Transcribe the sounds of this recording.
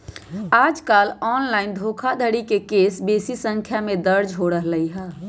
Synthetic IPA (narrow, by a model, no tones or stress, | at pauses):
aːd͡ʒkaːlɔːnlaːɪnd̪ʱoːkʰad̪ʱəɽikekeːsbeːsisə̃ŋkʰjamẽd̪əɾd͡ʒɦoɽəɦləiɦɛː